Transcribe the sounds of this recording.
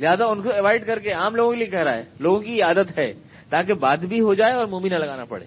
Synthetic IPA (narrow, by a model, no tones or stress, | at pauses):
lɪɦaːzaʊnkoɪʋaːɪɖkɐɾkeaːmloːɡõkeliekɛɦɾaɦɛːloːɡõkiɪaːd̪ət̪ɦɛ | t̪aːkebaːd̪bʱiɦod͡ʒaːeɔːɾmoːminalɐɡaːnapɐ̰ɽḛː